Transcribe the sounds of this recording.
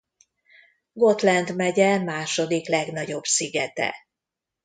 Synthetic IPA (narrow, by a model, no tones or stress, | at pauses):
ɡo̞t̪lɛnd̪mɛɟɛmaːʃo̞d̪iklɛɡn̪ɒɟo̞bsiɡɛt̪ɛ̰